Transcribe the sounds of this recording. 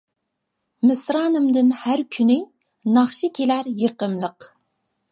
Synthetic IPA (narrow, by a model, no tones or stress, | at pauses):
mɪsɾɑːnɨmd̪ɨnhæɾkʲʰynɪ | nɑχʃɪkʲʰelæɾjeqəmlˠəq